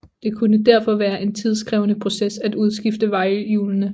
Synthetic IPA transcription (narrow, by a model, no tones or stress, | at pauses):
d̥e̝kʰunəd̥æɐ̰fɒ̽ʋæːɐʔe̝nt͡sʰið̞ˠsɡ̥ʁɛʊnəpʰʁo̝sesæd̥uð̞ˠsɡ̥ifd̥əʋɑ̈ɪjṵːlənə